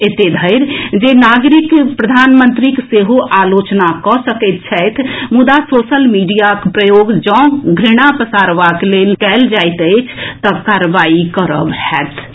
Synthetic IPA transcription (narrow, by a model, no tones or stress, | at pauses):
et̪ed̪ʱəɪɾd͡ʒenaɡɾikpɾəd̪ʱanmənt̪ɾikseɦoʔalot͡ʃnakɔsəkɛt̪t͡ʃʰɛjt̪ʰmud̪asosəlmiɖijakpɾəjoɡd͡ʒɔ̃ɡʱɾiɽ̃apəsaɾʋaklelkɛld͡ʒajt̪ət͡ʃʰt̪əbkaɾʋaikəɾə̰bhɛt̪ʰ